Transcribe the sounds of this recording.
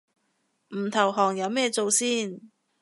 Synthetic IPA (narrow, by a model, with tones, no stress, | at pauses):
m̩˨˩t̪ʰɐ˨˩wɦɔː˨˩ŋjɐ˨˧wmɛː˥˧t͡so˨˧wsiː˥n